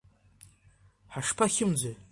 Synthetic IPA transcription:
ħaʂpʰaχʲɪmd͡zʷaj

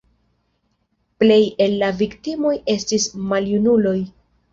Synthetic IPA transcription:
ple̞je̞lːaviktimo̞je̞stismaljunulo̞j

